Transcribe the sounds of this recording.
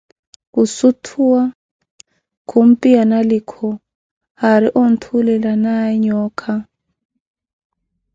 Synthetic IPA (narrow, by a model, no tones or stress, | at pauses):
kusutʰuwa | kʰum̩pʼianalikʰɔ | haɾiʔon̩tʰulɛlanaɲɔːkʰa